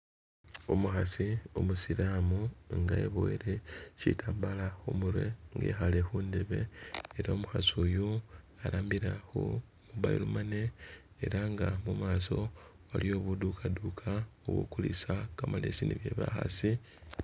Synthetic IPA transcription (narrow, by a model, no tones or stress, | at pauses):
omuxasio̰musiɾaːmuŋɡaḛβoiɾe̞citʰaːmbalaxumuɾwe̞ŋɡḛxale̞xuːnde̞βe̞ːɾaomuxasuju | aɾaːmbiɾaxṵ | muβaḭlumane̞ː | ɾaŋɡamumaːso̞ | aljo̞ːβudukʰadukʰaoβo̰kulḭsakamalesiniβje̞̰ːβaxa̰si